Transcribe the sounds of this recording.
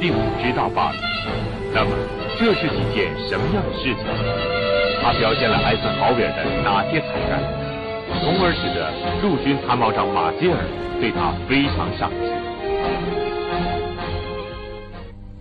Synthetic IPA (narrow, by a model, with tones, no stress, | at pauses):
ti˥˩ŋu˨˩ʈ͡ʂɻ̩˥t̪ɑ˥˧ʊpa̰˥˩lḭ˨˩˦ | na˥˩mə̰˩ | ʈ͡ʂɤ˥˧ʂɻ̩˥˩i˧˥˩t͡ɕjɛ˥˩nʂə˧˥mə˧jɑ˥˩ŋd̪ə˩ʂɻ̩˥˩t͡ɕʰḭ˨˩ŋ | t̪ʰa˥pjɑ˧˩ʊɕjɛ˥˩nlə˩ʔa˥ɪsɹ̩˥˩xɑ˧˥ʊɥɛ˨˩d̪ə˦na˧˥t͡ɕʰjɛ˥˩t͡sʰa˧˥ŋka̰˥˩ | t͡sʰʊ˧˥ŋə˞˧˥ʂɻ̩˨˩d̪ə˦ | lu˥˩t͡ɕy˥nt̪ʰa˧˥nmɑ˧˥ʊʈ͡ʂɑ˨˥˩ŋma̰˨˩t͡ɕɛ˥ə̰˞˨˩t̪we˥˩ɪt̪ʰa˥fe˥ɪʈ͡ʂʰɑ˧˥ŋʂɑ̰˨˩ŋt͡ɕi˥˩